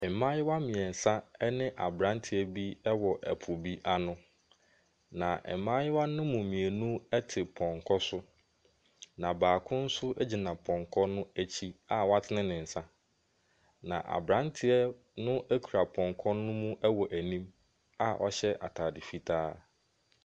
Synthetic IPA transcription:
ɛ˨mã˦jɪ˦wa˦mɪ̃˨ɛ˨n̩˨sã˦ɛ˦nɪ̃˦ʔa̰˨bɾã˦ntʰɪ˨ɛ˦bi˦ɛ˦wɔ˨ʔæ̰˨pʰʊ˨bi˦ʔa˦nʊ̃˦ | nã˨ɛ̰˨˦mã˦jɪ˦wa˦nʊ̃˦mũ˨mĩ˨æ˨nũ˦ɛ˦tʰɪ˨pʰɔ̃˨ŋkʰɔ˦sʊ˦ | nã˨baː˨kʰʊ̃˦n̩˦sʊ˦ʔæ˦d͡ʑi˨nã˨pʰɔ̃˨ŋkʰɔ˦nʊ̃˦æ˦t͡ɕʰi˦a˦wɔ˦a˦tʰɪ˦nɪ̃˦nɪ̃˨n̩˨sã˦ | nã̰˨ʔa̰˨bɾã˦ntʰɪ˨ɛ˦ | nʊ̃˦ʔæ˦kʰu˨ɾa˨pʰɔ̃˨ŋkʰɔ˦nʊ̃˦mũ˦ʔɛ˦wɔ˨ʔæ˨nĩ˦m | a˦ʔɔ̰˦ɕɛ˦ʔa̰˨tʰaː˨dɪ˨fi˦tʰaː˦

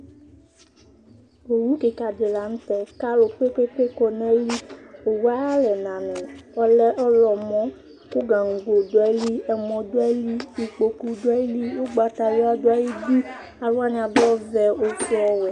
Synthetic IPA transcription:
o˨wu˦ke˨ka˨d͡ʒe˨la˨ŋ̩˦t̪ɛ˦ka˦lo˨k͡pe˦k͡pe˦k͡pe˦kɔ˨nɛ̃˦li˦o˨wa˦lɛ˨nã˨nɛ̃˨ɔ˦lɛ˦ʔɔ˦lɔ˨mɔ̃˦ | ku˦ɡã˨ŋ̩˨ɡo˨do˨˦a˨˦li˦ɛ˨mɔ̃˨d̪o˦a˦li˦i˨k͡po˨ku˨do˦a˦i˦li˦wo˦ɡ͡ba˨t̪a˨lo˦a˦do˦a˨ji˦bi˦ | a˨ɾo˦a˦nĩ˨a˨bɔ˦vɛ˨o˦fɔ˦wɛ˨

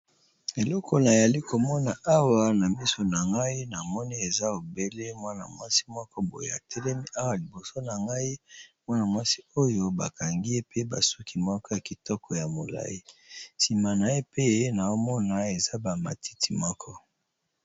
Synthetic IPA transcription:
e˨lɔ˦kʰɔ˦na˨ja˨li˦ko˨mɔ˦na˨ʔa˦wa˨na˨mi˦so˨na˨ŋɡa˦i˦na˨mɔ˦ni˦e˨za˦o˨be˦le˦mwa˦na̰˨mwa˦si̥˦mɔ˦kɔ˦bo̰˨jḛ˨a˨tʰɛ˦lɛ˦mi˦ʔa˦wa˨li˨bo˨so˦na˨ŋɡa˦i˦mwa˦na˨mwa˦si˦o˦jo˦ba˨ka˨ŋɡi˦e˦pe˦ba̰˨su˦ki˨mɔ˦kɔ˦ja˨ki˨tɔ˦kʰɔ˨ja˨mo˨la̰˦ji˦si˨ma˨na˨e˦pe˦˨˦na˨o˦mɔ˦na˨e˨za˦ba˨ma̰˨ti̥˦ti˨mɔ˦kʰɔ˦

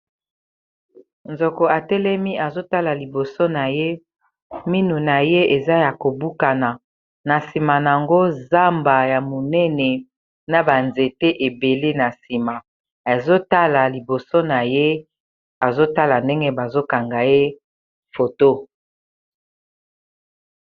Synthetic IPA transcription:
nzo˨ko˨a˨tɛ˦lɛ˦mi˦ʔa˨zo˦ta˦la˨li˨bo˨so˦na˨je˦ | mi˦nu˨na˨je˦e˨za˦ja˨ko˨bu˦ka˨na˨ | na˨si˨ma˨n˨a˨ŋɡo˦za˦mba˨ja˨mo˨nɛ˦nɛ˨ | na˨ba˨nze˨te˦ʔe˨be˨le˦na˨si˨ma˨ | e˨zo˦ta˦la˨li˨bo˨so˦na˨je˦ | a˨zo˦ta˦la˨nde˦ŋɡe˦ba˨zo˦ka˨ŋɡa˨je˦ | fo˨to˦

